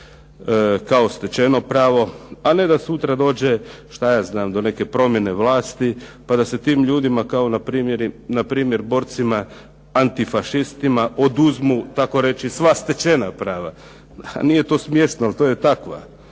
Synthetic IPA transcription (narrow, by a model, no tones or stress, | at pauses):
kao̞st̪e̞t͡ʃe̞no̞pɾaːʋo̞ane̞d̪asut̪ɾad̪o̞ːd͡ʑeʃt̪ajaːznaːmd̪o̞ne̞ke̞pɾo̞mje̞ne̞ʋlaːst̪ipad̪ase̞t̪iːmʎuːd̪imakao̞napɾiːmjeɾnapɾiːmje̞ɾbo̞ːɾt̪sima | ant̪ifaʃist̪imaʔo̞d̪uzmut̪ako̞ɾe̞t͡ʃisʋast̪e̞t͡ʃe̞napɾaːʋa̰ | nije̞t̪o̞ːsmje̞ʃt̪noalt̪o̞ːjet̪akʋa̰